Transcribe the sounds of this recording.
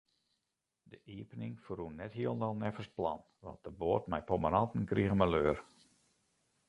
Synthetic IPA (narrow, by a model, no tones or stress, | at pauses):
dəʔiəpənɪŋfrunːɛthiəlˠndɔlˠnɛfəst̚plɑ̰n | ʋɔ̰nt̚dəboətmɛjpomanɑtən̩kriəɣəmɛløːər